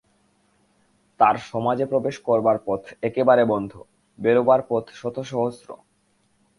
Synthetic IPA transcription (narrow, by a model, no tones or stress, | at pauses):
t̪aɾʃɔmad͡ʑepɾobeʃkɔɾbaɾpɔt̪ʰekebaɾebɔnd̪ʱo | beɾobaɾpɔt̪ʰʃɔt̪ʰoʃɔɦosɾo̰